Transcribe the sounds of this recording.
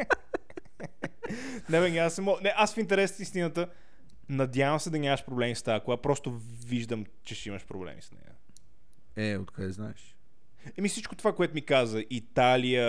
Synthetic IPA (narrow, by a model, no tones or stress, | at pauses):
nɛvɛŋɡiasɛmɔnɛʔasfint̪ɛɾɛst̪ist̪inət̪ə | nɐd̪ʲjavəmsɛd̪ɐnʲaməʃpɾoblɛmist̪aəkoapɾɔst̪o | viʒd̪əm | t͡ʃɛʃiməʃpɾoblɛ̰mḭsnɛ̰jə̰ | ɛo̰t̪kaɛznaɛʃ | ɛmifsit͡ʃkot̪ovakoɛt̪ʊmikazəʔit̪alijə